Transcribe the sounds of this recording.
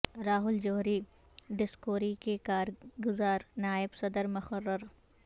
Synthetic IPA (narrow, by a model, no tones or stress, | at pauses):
ɾaːɦʊld͡ʒoːɦɾi | ɖɪskoːɾikekaːɾɡʊzaːɾnaːɪbsɐd̪əɾmʊxərːəɾ